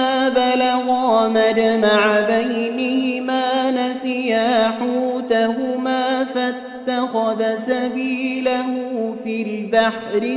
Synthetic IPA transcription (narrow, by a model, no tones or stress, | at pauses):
aːbalɑɣɑːmad͡ʒamaʕabajnɪhɪmaːnasɪjaːħuːt̪aɦʊmaːfa | t̪ːaxaðasabiːlahʊfiːlbaħɾɪ